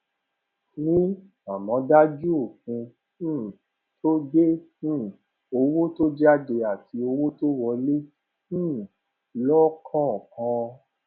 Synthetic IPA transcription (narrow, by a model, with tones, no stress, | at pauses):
nĩ˦ | a˨mɔ̃˨˦da˦d͡ʒu˦o˦˨k̚ũ˧ | nũ˦ | tʰo˦de˦nũ˦˨ | o˧wo˦to˦d͡ʒa˦de˧a˨ti˨˧o˧wo˦to˦wɔ˧le˦ | nũ˦ | lɔ˦kʰɔ̃˦ɔ˨kã˧˦